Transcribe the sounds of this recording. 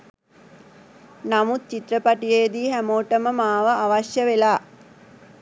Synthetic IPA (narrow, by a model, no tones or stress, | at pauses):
namut̪̚t͡ʃit̪rəpaʈijejd̪iːɦæmoːʈəməmaːʋəaʋaʃjəʋelaː